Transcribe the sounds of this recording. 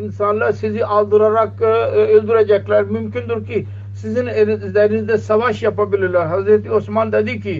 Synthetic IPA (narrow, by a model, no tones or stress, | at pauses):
ɪnsaːnlasiziʔaːld̪ɨɾaɾakɪld̪uɾad͡ʒɐklaːɾmʊmkɪnd̪uɾki | sɪzind̪ɛnizd̪asɐʋaːʃjapabɪlulaɦɐzɾɐt̪iosmaːnd̪ɐd̪iːki